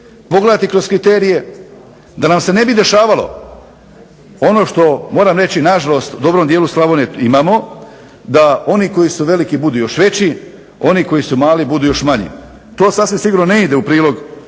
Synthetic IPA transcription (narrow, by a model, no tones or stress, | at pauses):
po̞ɡle̞d̪at̪ikɾozkɾit̪e̞ːɾije̞ | d̪anamse̞ne̞bid̪e̞ʃaːʋalo̞̰ | o̞no̞ːʃt̪o̞mo̞ːɾaːmɾe̞t͡ɕinaʒalo̞st̪ud̪o̞bɾo̞md̪jeːluslˠaʋoneimaːmo̞ | d̪ao̞niko̞jisuʋe̞likibud̪uːjo̞ʃʋe̞t͡ɕi | o̞niko̞jisumaːlibud̪uːjo̞ʃmaɲḭ | t̪o̞ːsasʋimsiɡuːɾnone̞id̪e̞upɾiːlo̞ɡ